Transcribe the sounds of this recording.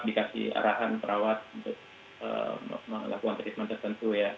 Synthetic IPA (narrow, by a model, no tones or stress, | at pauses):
dikasḭa̰ɾaɦanpəɾʔawat̪̚b | ə̰malakuŋant̪ərkit̪mant̪ərt̪ənt̪uja